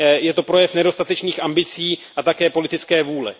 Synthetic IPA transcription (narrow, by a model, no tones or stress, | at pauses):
jɛt̪o̞pɾo̞jɛfnɛdo̞st̪at̪ɛt͡ʃniːxʔambɪt͡siːʔat̪akɛːpo̞lɪt̪ɪt͡skɛːvuːlɛ̰